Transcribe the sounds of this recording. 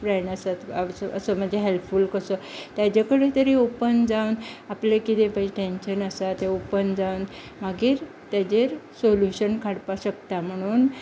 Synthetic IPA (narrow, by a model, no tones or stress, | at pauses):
pɾaɳəsat̪asəsəm̤əɳd͡ʑeɦelpfulkəsət̪jad͡ʑakəɽet̪əɾiopənd͡zawnaplekit̪epad͡ʑeʈẽnɕənəsat̪eopənd͡zawn | maɡiːɾ | t̪jad͡ʑeɾsoljuɕənkʰaɽpaɕək̚t̪am̤əɽ̃uːn